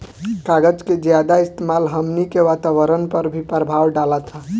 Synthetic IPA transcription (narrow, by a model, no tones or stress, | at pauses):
kaɡəd͡ʒked͡ʒjad̪aɪst̪emalɦəmnikeʋat̪aʋəɾənpəɾbʱipɾəbʱawɖalət̪ʰɦə